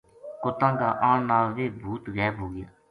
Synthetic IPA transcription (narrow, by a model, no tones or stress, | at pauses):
kʊt̪ãːɡaːʔãːɳnaːlʋeːbʱuːt̪ɣɛːbɦoːɡɪjaː